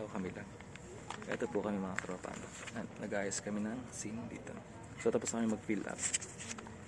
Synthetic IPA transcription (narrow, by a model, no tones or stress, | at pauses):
okɐmɪlɐŋ | ʔɛ̰t̪opʊkɐmɪmɐŋak̪ɐɾɐpa̰ːnonɐnɐɡʔaːjɐskɐmɪnɐŋsind̪ḭːt̪o̰ | sot̪ɐposnɐkɐmɪmɐɡ̚pilʔɐ̰p̚